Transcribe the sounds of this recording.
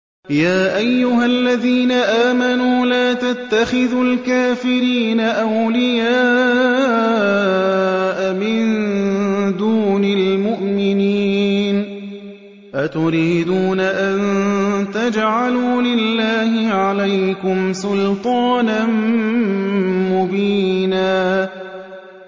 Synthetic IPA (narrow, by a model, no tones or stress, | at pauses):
jaːʔajːʊɦalːaðiːnaʔaːmanuːlaːt̪at̪ːaxɪðulkaːfɪɾiːnaʔawlɪjaː | ʔamɪn | d̪uːnalmʊʔmɪniːn | ʔat̪ʊɾiːd̪uːnaʔant̪ad͡ʒʕaluːlɪlːaːhɪʕalajkʊmsʊlt̪ˤɑːnan | mʊbiːnaː